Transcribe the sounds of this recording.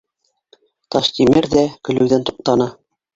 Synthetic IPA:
t̪ɑʃt̪imɘɾðækɵ̆lɘ̆wðænt̪uq̚t̪ɑnɑ

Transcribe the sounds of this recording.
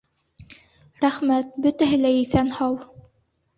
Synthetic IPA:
ɾæχmæt̪̚bɵt̪æɦɘlæiθænhɑw

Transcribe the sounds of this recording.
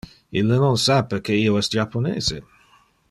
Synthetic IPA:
ilːənonsapːekʰeiːoɛst̪d͡ʒapːonḛːze

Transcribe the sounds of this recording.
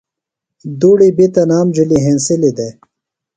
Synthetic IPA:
d̪uːɽibit̪ɐnaːmd͡ʑiliɦẽnsilid̪e

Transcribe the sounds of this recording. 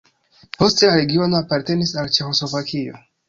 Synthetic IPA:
po̞steaɾe̞ɡio̞no̞apaɾte̞nisalt͡ʃe̞xo̞slo̞vakʰio̞̰

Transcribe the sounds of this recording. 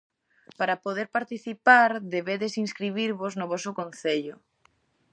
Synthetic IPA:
paɾapoðeɾpaɾt̪iθipaɾðeβeðesinskɾiβ̞iɾβoznʊβɔsʊkõn̟θeʎʊ

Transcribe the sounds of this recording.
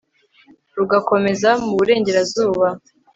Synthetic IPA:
ɾuɡako̞me̞zamuβuɾe̞ːɲɟe̞ɾazuːβa

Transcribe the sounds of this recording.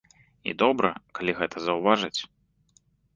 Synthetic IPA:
ḭd̪ɔbɾɐ̰kalʲiɣɛt̪ʰɐzɐwvaʐɨt͡sʲ

